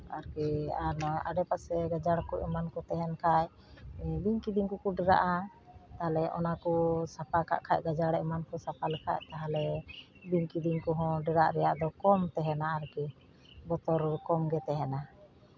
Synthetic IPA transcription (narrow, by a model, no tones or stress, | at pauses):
aɾkɛaɾnɔjʔa̰ɖɛpasɛɡad͡ʒaɽkuʔɛmankɔt̪ɛɦɛnkʰaj | biŋkid̪iŋkukuɖɛɾa̰ʔa | t̪aɦalɛʔɔ̰nakɔsapakʰa̰ʔkʰaʔɡad͡ʒaɽɛʔmankɔsapalɛkʰa̰ʔt̪aɦalɛ | biŋkid̪iŋkɔɦɔ̃ɖɛɾaʔɾɛjaʔd̪ɔkɔmt̪ɛɦɛnaaɾkɛ | bɔt̪ɔɾkɔmɡɛt̪ɛɦɛna